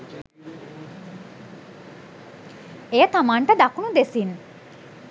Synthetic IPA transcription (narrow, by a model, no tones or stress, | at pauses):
ejət̪amaɳʈad̪akuɳud̪esin